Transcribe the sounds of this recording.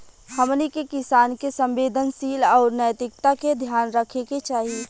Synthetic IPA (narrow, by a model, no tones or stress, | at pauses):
həmnikekɪsaːnkesə̃mʋeːd̪ʱənsiːlɔːɾnəjt̪ɪkt̪aked̪ʱjaːnɾəkʰeket͡ʃaːɦie